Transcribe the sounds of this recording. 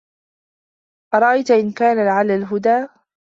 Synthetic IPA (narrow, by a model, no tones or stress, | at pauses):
ʔɑɾˤɑʔajt̪aʔɪnkaːnalɪʕalːalɦʊd̪aː